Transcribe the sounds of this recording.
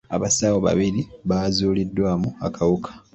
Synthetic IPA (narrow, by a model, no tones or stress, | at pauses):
aβasawoβa̰βiɾiβaːzuːlidːwaːmuakʰawukʰḁ